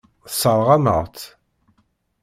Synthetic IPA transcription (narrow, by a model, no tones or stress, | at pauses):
səɾˤʁæmə̰ʁt̪